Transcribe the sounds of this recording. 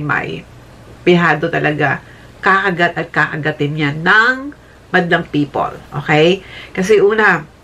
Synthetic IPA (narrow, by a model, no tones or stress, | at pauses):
ma̰j | pɪɦaːd̪ot̪ɐlʔɐɡa | kakɐɡat̪̚ɐt̪̚kakɐɡɐt̪ɪnɲanɐŋ | mɐd̪lɐŋpiːpo̰lʔoːkɛjkɐs̬ɛʔuːnɐ